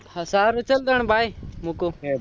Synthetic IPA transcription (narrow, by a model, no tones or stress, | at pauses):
hasaːɾt͡ʃəld̪əɳ̃bʱaːimuːkoː